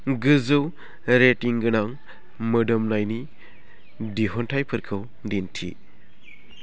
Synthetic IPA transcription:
ɡɯzɯw | ɾetiŋɡɯnaŋ | mɯdɔmnajni | diɦɔntʰajpʰɯɾkʰɯw | dintʰḭ

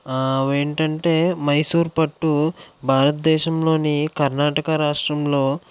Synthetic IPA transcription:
ʋe̞ːɳʈɐɳʈe̞ːmɐjsuːɾpɐʈːubʱaːɾɐt̪d̪ɛːʃɐmlo̞ːnikɐɾnaːʈɐkɐɾaːʂʈɾɐmlo̞ː

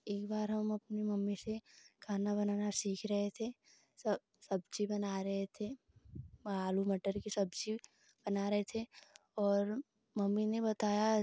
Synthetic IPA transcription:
eːkbaːɾɦɐmɐpnimɐmːisekʰaːnabɐnaːnasiːkʰɾɐɦet̪ʰe | sɐb | sɐb̚t͡ʃibɐnaɾɐɦet̪ʰe | maːlumɐʈəɾkisɐbt͡ʃi | b̥ɐnaɾɐɦet̪ʰe | ɔːɾ | mɐmːinebɐt̪aːja

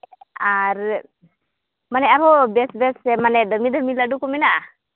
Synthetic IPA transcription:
aɾ | manɛʔaɾɔbɛsbɛsɛmanɛdəmid̪əmilaɖukɔmɛnaʔa

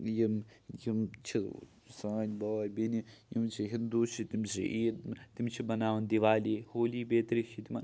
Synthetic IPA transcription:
jimjimt͡ʃʰi | saːnʲbaːjʲbinijḭmt͡ʃʰiɦind̪uːt͡ʃʰit̪imsʰḭʔiːt̪imt͡ʃʰibɐnaːʋɐnd̪iʋaːlihoːliːbeːt̪ɾit͡ʃʰit̪imɐn

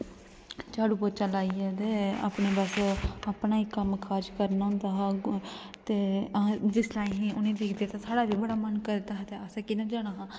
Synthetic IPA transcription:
t͡ʃaːɽuːpət͡ʃəlaːiɛd̪eːa̰ːpɳeːbəsaːpɽnaːiːkəmkʰaːd͡ʒkəɾnaʊ̃nd̪aːɦ | t̪eːd͡ʒɪslaːĩɦĩʊnẽːd̪ɪːkʰd̪eːt̪ãːsaːɽaːʋiːbəɽaːmənkəɾd̪aːɦt̪eːasaːkɪnãːd͡ʒaːɽ̃aːɦãː

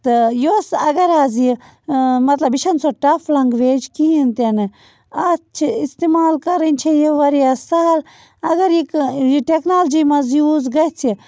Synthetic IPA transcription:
t̪ɐjoːsɐɡɐɾaːzi | mɐt̪lɐbiʃɐnsoʈɐflɐŋɡʋeːd͡ʒkiɦint̪enɨ | ɐt͡ʃʰiist̪imaːlkɐɾinʲt͡ʃʰejiʋɐɾiasɐɦɐl | ɐɡɐɾikiʈeknaːld͡ʒiːmɐzjuːzɡɐjt͡sʰi

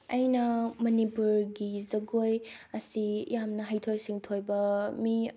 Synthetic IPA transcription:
ɐjnɐmɐnipuɾɡizɐɡojɐsijamnɐɦajtʰojsiŋtʰojbɐmi

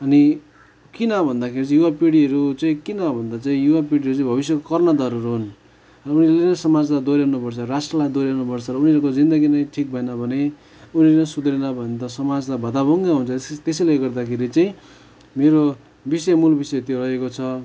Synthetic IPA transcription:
ʌni | kinʌbʱʌnd̪akʰeɾit͡sjuwapiɽiʌɾut͡saĩkinʌbʱʌnd̪at͡saĩjuwapiɽiɦʌɾut͡saĩbʱʌβisjʌkokʌrnʌd̪ʌɾuɾɦun | rʌunilenʌsʌmad͡zlad̪oɾjawnupʌrt͡sʰʌɾasʈrʌlajd̪oɾjanupʌrt͡sʰʌɾʌuniʌɾkod͡zind̪ʌɡinʌjʈʰik̚bʱʌenʌbʱʌne | unlenʌjsud̪ɾenʌbʱʌnet̪ʌsʌmad͡zlabʱʌd̪abʱʌŋɡaɦunt͡sʰʌt̪esejleɡʌrd̪akʰeɾit͡saĩ | meɾo | bisʌjmulbisʌjt̪joɾʌɦekot͡sʰʌ

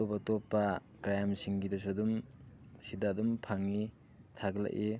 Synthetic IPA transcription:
opɐtopːɐ | kɾajamsiŋɡidɐsudum | sidadumpʰaŋni | tʰaɡla̰ʔʔe

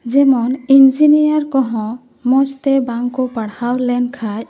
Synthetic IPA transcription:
d͡ʒɛmɔnind͡ʒinijaɾkɔɦɔ̃ | mɔst̪ɛbaŋkɔpaɽhawlɛnkʰaj

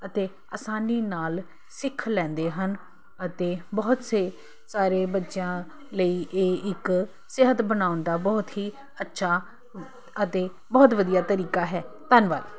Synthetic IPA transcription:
ət̪eː | aːsaːniːnaːl | sɪkʰːlɛ̃ːnd̪eːɦən | ət̪eːbɔːt̪seː | saːɾeːbətːʃjãː | ləiːʔeːʔɪk | sɪɦət̪bənaːʊnd̪aːbɔːt̪ɦiː | ətːʃʰaː | ət̪eː | bɔːt̪ʋəd̪ijaːt̪əɾiːkaːɦɛː | t̪ənʋa̰ːl

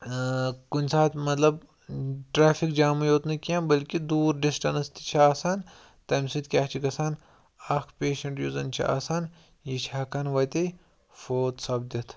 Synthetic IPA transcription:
kunʲsaːt̪mɐt̪lɐb | ʈɾaːfʰikd͡ʒaːmɐjoːt̪nɐkijãbɐlkid̪uːɾɖisʈɐnst̪i̥t͡ʃʰiaːsaːn | t̪ɐmsid̪̚kʲaːt͡ʃʰikɐsaːn | ɐkʰpʲeːʃɐɳʈjuːzɐnt͡ʃʰḭʔa̰ːsaːn | jit͡ʃʰaːkanʋɐt̪e | foːt̪sɐbd̪it̪ʰ

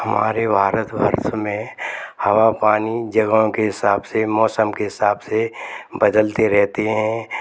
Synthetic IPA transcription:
ɦɐma̰ːɾebʱaːɾət̪bʱə̰ɾt̪ʰmẽhɐwapaːnid͡ʒɐɡaõkeɦɪsaːbsemɔːsəmkeɦɪsaːbsebɐd̪əlt̪eɾɛɦt̪eɦɛ̃ː

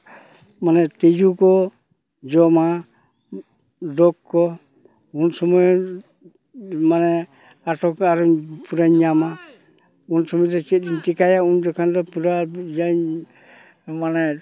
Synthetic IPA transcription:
manɛt̪id͡ʒukɔ | d͡ʒɔma | dɔkːɔ | unsɔmɔj | manɛ | atɔkaɾɔpuɾaɲɲama | unsɔmɔjdɛt͡ʃit̪̚dintikajaundɔkʰandɔpuɾad͡ʒaɲ | manɛ

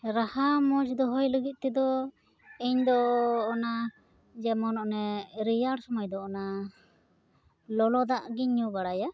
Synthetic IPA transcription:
ɾahamɔd͡ʒd̪ɔɦɔjləɡit̪̚ˀt̪ɛd̪ɔ | ɛɲd̪ɔːna | d͡ʒɛmɔnɔʔnɛɾijaɽsɔmajd̪ɔːna | lɔlɔd̪aʔɡiɲːubaɽaja

